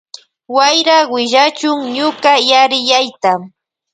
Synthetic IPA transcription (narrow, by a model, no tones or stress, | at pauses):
wajɾawɪʒat͡ʃʊŋɲʊkajaɾɪjajt̪am